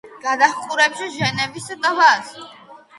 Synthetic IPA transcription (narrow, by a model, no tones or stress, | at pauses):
ɡ̥ad̪aχqʼuɾɛpʃɛʒɛnɛvisad̪avaz